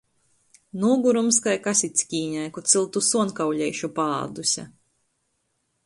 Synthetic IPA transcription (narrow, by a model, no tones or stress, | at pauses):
nuːɡuɾumskajkasʲit̪ʲsʲkʲiːɲajkut̪silˠt̪usuɔnkawʎʲɛjʃupaːd̪usʲa̰